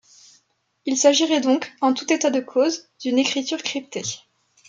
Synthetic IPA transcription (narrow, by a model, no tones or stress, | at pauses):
ilsaʒiʁɛd̪ɔ̃kɑ̃t̪ut̪et̪ad̪əkʰozd̪ynekχit̪yʁkχip̚t̪e